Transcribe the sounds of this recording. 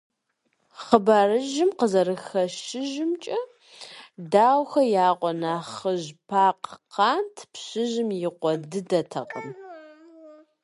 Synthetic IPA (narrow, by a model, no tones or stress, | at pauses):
χəbaːrɨʒɪmqəzɐɾɨxɐʃɪʒɪmt͡ʃʼɐ | daːwxɐjaːqʷʼɔnaːχəʑpʰaːqqʰɑːntʰpɕɪʑɪmjɪqʷɔdɨdɐtʰɐ̰qʼə̰m